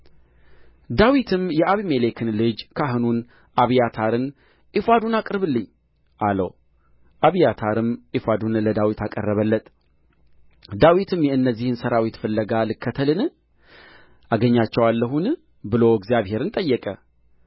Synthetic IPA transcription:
d̪awit̪ʰɨmjɛʔaβimelekʰɨnlɨd͡ʒkʰaɦɨnun | ʔaβijat̪ʰaɾɨn | ʔifad̪unakʼɾɨβɨlːɨɲː | ʔalə̰w | ʔaβijat̪ʰaɾɨmʔifad̪unləd̪awit̪akʼə̰rːəβəlːət̪ʼ | d̪awit̪ʰɨmjɛɨnːəzːihɨnsəɾawit̪fɨlːəɡalɨkːət̪ʰəlɨnɨ | ʔaɡəɲːat͡ʃːɛwalːəɦun | bɨlo̞ɡzijaβhe̞ɾɨnt̪ʼəjːɛkʼə

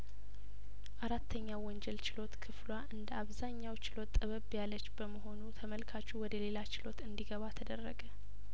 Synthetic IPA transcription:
ʔaɾat̪ʰːəɲːawwːɔnd͡ʒɛlt͡ʃɪlo̞t̪kʰɨflwaʔɨnd̪əaβzaɲːawt͡ʃɪlo̞t̪ʼːəβəβjalət͡ʃːbəməɦo̞nut̪ʰəməlkʰat͡ʃːuwɔd̪əle̞lat͡ʃɪlo̞t̪ɨnd̪iɡəβat̪ʰəd̪ərːəɡə

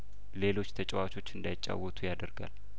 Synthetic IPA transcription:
le̞lo̞t͡ʃːt̪ʰət͡ʃʼɛwat͡ʃʰo̞t͡ʃːɨnd̪ajɪt͡ʃʼːa̰wːɔt̪ʰujad̪əɾɡa̰l

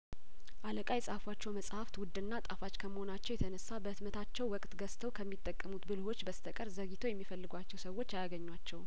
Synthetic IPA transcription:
ʔaləkʼajɛsʼhafwat͡ʃːɛwməsʼhaft̪wʊd̪ːɨnːat̪ʼafat͡ʃːkʰəməho̞nat͡ʃːɛwjɛt̪ʰənəsːabəɨt̪mət̪ʰat͡ʃːɛwːɔkʼt̪ɡəst̪ʰəwkʰəmːit̪ʼːəkʼːəmut̪bɨlho̞t͡ʃːbəst̪ʰəkʼəɾzəɡit̪ʰo̞jɛmːifəlːɨɡʷat͡ʃːɛwsəwːo̞t͡ʃːjajaɡəɲːwat͡ʃːɛw

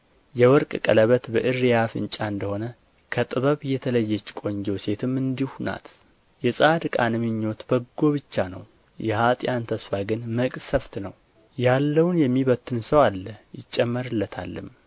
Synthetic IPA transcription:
jɛwɔɾkʼkʼələβət̪bəʔɨrːjafɨ̰nt͡ʃʼaɨnd̪əho̞nə | kʰət̪ʼɨβəβɨjɛt̪ʰələjːɛt͡ʃːkʼo̞ɲd͡ʒowse̞t̪ʰɨmːɨnd̪ihuna̰t̪ | jɛsʼad̪ɨkʼanɨmɨɲːo̞t̪bəɡːo̞βɨt͡ʃːanə̰w | jɛhat̪ʼjant̪ʰəsfaɡɨnməkʼsəft̪nəw | jalːəwnjɛmːiβət̪ːɨnsəwalːəjɪt͡ʃʼːɛmːəɾɨlːət̪ʰa̰lːɨ̰m

